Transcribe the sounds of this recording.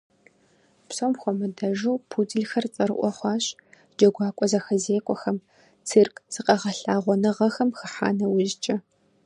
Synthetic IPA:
psomxʷɔmɨdɐʒuːpʰud͡zɨɮxɐrt͡sʼɐɾɨ̰ʔʷɔχʷɑːɕʼ | d͡ʒɐɡʷɑːkʷʼɔzɐxɐzeːkʷʼɔxɐm | t͡sʰɨrkʰʼz̥ɨqɐʁɐɬaːʁʷɔnɨʁɐxɐmxɨħa̰ːnɐwʊʒt͡ʃʼɐ

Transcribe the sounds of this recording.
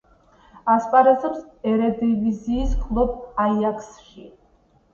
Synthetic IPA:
aspʼaɾɛzɛpsɛɾɛd̪iviziːskʰlˠɔbajakʰsʃi

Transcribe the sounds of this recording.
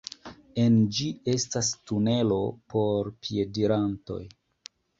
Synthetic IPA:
e̞nd͡ʒie̞stastune̞lo̞po̞ɾpʰie̞diɾanto̞̰j

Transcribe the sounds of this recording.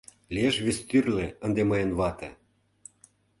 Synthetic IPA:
lieʃβest̪yrlĕə̆nd̪emɤjə̆nβɑt̪ḛ̆

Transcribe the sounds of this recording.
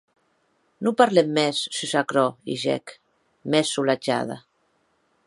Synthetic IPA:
nupaɾlɛmːɛsːysakɾɔḭʒɛ̰k | mɛsːulad͡ʒa̰ða̰

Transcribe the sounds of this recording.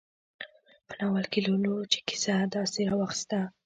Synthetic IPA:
pənawalkilolot͡ʃe̥ki̥sad̪ɑseɾɑwaxst̪a

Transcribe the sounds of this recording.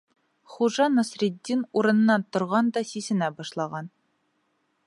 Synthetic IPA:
χuʒɑnŏsrʲid̪ʲːinuɾɤ̆nɤ̆nːɑnt̪ŏɾʁɑnd̪ɑsisɘ̆næbɒʃlˠɑʁɑn

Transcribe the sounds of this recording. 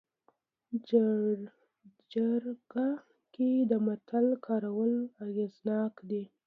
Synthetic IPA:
d͡ʒaɾɡa | ked̪əmat̪ʰalkʰɑɾawəlaɣeznɑkd̪e

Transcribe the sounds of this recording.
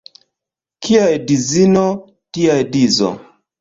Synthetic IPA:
kʰiajdizino | tiajdizo̰

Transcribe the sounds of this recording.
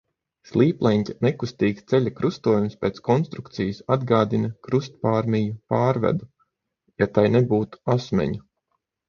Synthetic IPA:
slˠiːplˠɛnʲtʲanekust̪iːkst̪sɛʎʲakɾust̪uɔjumspʲeːt̪skɔnst̪ɾukt̪sijasad̪ɡaːd̪inɐkɾust̪̚paːɾmijupaːɾvɛ̰d̪u | jat̪ajnebuːt̪u̥asmʲɛ̰ɲu

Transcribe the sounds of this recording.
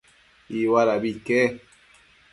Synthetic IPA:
iwalabikɛ

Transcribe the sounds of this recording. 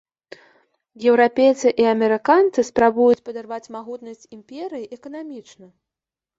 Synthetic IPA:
jɛwɾapʲejt̪sɨʔiɐmʲɛɾɨkant̪sɨspɾabujut͡sʲpɐd̪arvat͡sʲmaɣut̪nɐsʲt͡sʲimʲpʲeɾɨjiʔɛkɐnamʲit͡ʂnɐ

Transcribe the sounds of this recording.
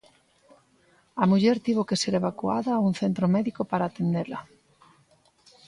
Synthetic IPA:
ɐmuʎɛɾt̪iβokeseɾeβakua̰ðauŋθent̪ɾomɛðikopaɾaːt̪end̪elɐ

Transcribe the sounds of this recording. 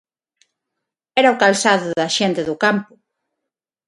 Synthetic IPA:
ɛɾɐʊkalsaðʊðɐʃɛnt̪eðʊkampʊ

